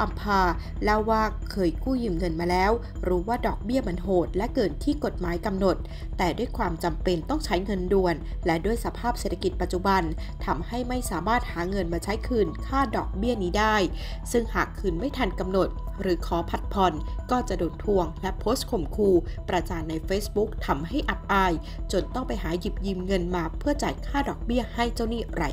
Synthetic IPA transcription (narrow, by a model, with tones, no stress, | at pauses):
ʔa˧mpʰaː˧ | lɛ˥˩wwaː˥˩kkʰːɤː˧jkuː˥˩jɯː˧mŋɤ˧nmaː˧lɛː˦˥w | ɾuː˦˥waː˥˩dɔː˨˩k̚bi˥˩ɐma˧nɦoː˨˩t̪̚lɛ˦˥ʔkɤː˨˩nt̪ʰiː˥˩ko˨˩t̪̚maː˩˦jka˧mno˨˩t̪̚ː | ɛː˨˩du˥˩əjkʰwaː˧mt͡ɕa˧mpe˧nt̪ɔ˥˩ŋt͡ɕʰa˦˥jŋɤ˧ndu˧˩ən | lɛ˦˥du˥˩əjsa˧pʰaː˥˩p̚seː˨˩t̪ʰːa˧ki˨˩t̪̚pa˨˩t͡ɕu˨˩ba˧n | t̪ʰa˧mha˥˩jma˥˩jsaː˩˦maː˥˩t̪̚haː˩˦ŋɤ˧nmaː˧t͡ɕʰa˦˥jkʰɯː˧nkʰaː˥˩dɔː˨˩k̚bi˥˩əniː˦˥daː˥˩j | sɯ˥˩ŋhaː˨˩kʰːɯː˧nma˥˩jt̪ʰaː˧nka˧mno˨˩t̪̚ | ɾɯː˩˦kʰɔː˩˦pʰa˨˩t̪̚pʰɔ˧nkɔː˥˩t͡ɕa˨˩doː˧nt̪ʰu˧əŋlɛ˦˥pʰoː˦˥st̪̚kʰo˨˩mkʰuː˧pɾa˧t͡ɕaː˧nːa˧jfeː˦˥sbu˦˥k̚t̪ʰa˧mɦa˥˩jʔa˨˩p̚ʔaː˧j | t͡ɕo˧nt̪ɔ˥˩ŋpa˧jɦaː˩˦ji˨˩p̚jiː˧mŋɤ˧nmaː˧pʰɯ˥˩ɐt͡ɕaː˨˩kʰaː˥˩dɔː˨˩k̚bi˥˩ɐha˥˩jt͡ɕa˥˩wniː˥˩ɾa̰˧˩j